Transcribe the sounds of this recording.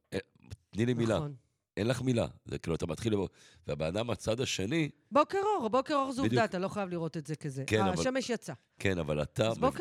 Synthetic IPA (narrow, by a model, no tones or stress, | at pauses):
e | t̪nilinmilan | ʔenlaχmila̰zḛkiluat̪amat̪χilbo | veabeadamat͡sad̪aʃe̞nibokeʁoʁbo̞keʁo̞ʁzudat̪alo̞χajavliʁo̞t̪etzekezeʔkenavaʃameʃjat͡sa | kenavala̰t̪abok